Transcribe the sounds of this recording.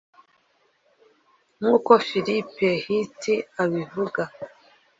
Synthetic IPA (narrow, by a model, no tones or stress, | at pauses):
ŋuːkofilipehitiaβivuɡa